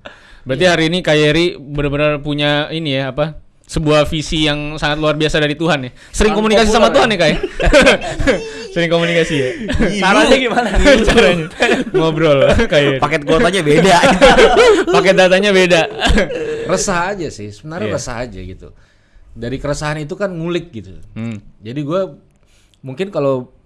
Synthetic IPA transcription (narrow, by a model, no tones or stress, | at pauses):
bəɾat̪iɦaɾiːnikajeɾibəɾbəɾarpuɲainijaːpa | səbuahfisijaŋsaŋat̪luarbiasadaɾit̪uɦanjɛ | səɾɪŋkomunikas̬isamat̪uɦanjɛhkaja | səɾɪŋkomunikasijaaɾaɲaɡimanat͡ʃaɾaɲamɔbɾɔlkajpakɛt̪̚ɡot̪aɲabeda | pakɛdat̪aɲabeda | rəsahad͡ʒasɪ̰hsəbənarɲarəsa̰ɦa̰d͡ʒa̰ɡit̪ṵ | daɾikəɾəsaɦanit̪̬ukanmulɪk̚ɡit̪ṵd͡ʒadiɡua | muŋkɪnkalo